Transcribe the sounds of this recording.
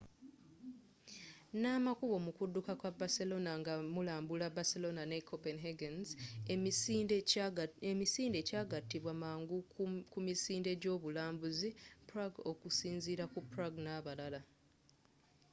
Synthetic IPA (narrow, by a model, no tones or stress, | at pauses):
namakuβo̞mukudːukakwabaselo̞naŋɡamulaːmbulabaselo̞nane̞kʰopenɦeɡenz | emisiːnde̞caːɡatːiβwamaːŋɡukumisiːnde̞ɟo̞ːβulaːmbuzipɾaɡokusiːnziɾakupɾaɡnaβalala